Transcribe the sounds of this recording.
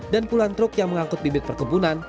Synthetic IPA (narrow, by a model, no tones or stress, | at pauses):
danpulant̪ɾʊkjaŋməŋaŋkʊt̪̚bibɪt̪̚pərkəbunan